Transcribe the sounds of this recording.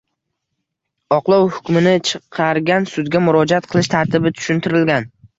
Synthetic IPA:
ɒqlˠɒwhʊkʲmɪnɪt͡ʃʰɨqʰɑɾɡʲansʊd̪ɡʲamʊɾɒd͡ʒaat̪̚qʰɨlˠɪʃt̪ʰaɾt̪ʰɪbɪt̪ʰʊ̥ʃʊnt̪ʰɪɾɪlɡʲan

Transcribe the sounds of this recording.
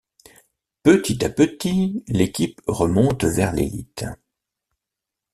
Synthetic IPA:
pət̪it̪apət̪ilekʲipʁəmɔ̃t̪vɛʁlḛlḭt̪

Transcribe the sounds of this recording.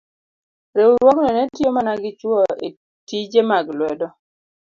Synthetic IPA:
ɾewuɾwɔknɔnɛtjomanaɡɪt͡ʃwɔe | tid͡ʒemaɡlwɛdɔ

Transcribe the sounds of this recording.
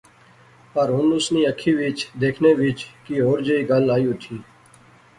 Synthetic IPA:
pəɾɦʊnʊsniːəkʰiːʋɪt͡ʃd̪eːkʰneːʋɪt͡ʃkiːɦoːɾd͡ʒəiːɡəlaːjũt̪ʰiː

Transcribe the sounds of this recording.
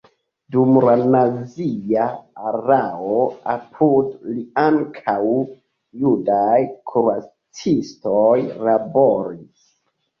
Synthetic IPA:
dumlanaziaaɾaoapʰudliaŋkʰaw | judajkʰuɾua | t͡sistojlaboɾis

